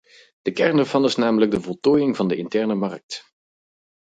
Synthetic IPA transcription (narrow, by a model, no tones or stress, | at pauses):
d̥əkɛrndɛɹvɑnɪsnaːmələɡ̚dəvɔlˠtoːjɪŋvɑndəʔɪntɛɹnəmɑrk̚t